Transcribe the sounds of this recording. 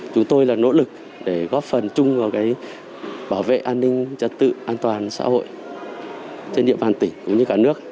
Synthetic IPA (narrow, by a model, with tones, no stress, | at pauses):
t͡ɕʊ˨˦ŋ͡mt̪o˧jlaː˨˩no̰˧˥lɨ˨˩k̚ | ɗe˧˩ɣɔ˦˥p̚fə˨˩nt͡ɕʊ˧ŋ͡mvaː˨˩kaː˨˦j | ɓaː˧˩wvḛ˧˨ʔaː˧nːï˧ŋ̟t͡ɕə̰˧˨nt̪ɨ̰˧˨ʔaː˧nt̪waː˨˩nsa̰ː˧˥ho̰˧˨jʔ | t͡ɕe˧nɗi˧əmɓaː˨˩nt̪ï˧˩ŋkʊ̰˧˥ŋ͡mɲɨ˧kaː˧˩nɨ˦˥ək̚